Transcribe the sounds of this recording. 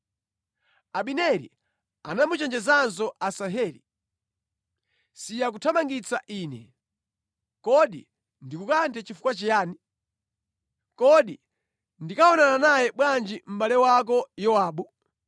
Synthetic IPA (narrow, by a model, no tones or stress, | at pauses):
aɓinɛɾḭ | anamut͡ʃɛnd͡ʒɛzans̬ɔʔasaɦɛːli | sijak̬utʰamaŋɡit͡saʔiːnɛ̰ | kɔɗḭ | ndikukantʰɛt͡ʃifu̥kwat͡ʃijaːni | kɔɗi | ndikaɔnananajɛɓwand͡ʒim̩ɓalɛwak̬ɔjɔaːɓu